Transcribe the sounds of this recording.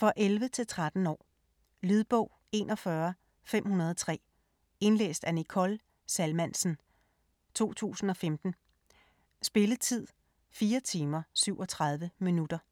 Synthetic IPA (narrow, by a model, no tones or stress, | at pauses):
fɒ̽ʔelʋət͡sʰe̝lt͡sʰʁad̥n̩ɒ̰ː | lyð̞ˠb̥ɔʊ̰ | e̝̰nʔɒ̽fɶɐ | fem̰hunɐð̞ˠɒt͡sʰʁɛ̰ː | e̝nlḛːsd̥ænikʰɒl | sælmænsn̩ | t͡sʰo̝̰ːt͡sʰṵːsn̩ɒ̽femd̥n̩ | sb̥e̝lət͡sʰið̞̰ˠ | fiːɐt͡sʰiːmɐsyʊ̰ɒ̽t͡sʰʁäð̞ˠʋəminud̥ɐ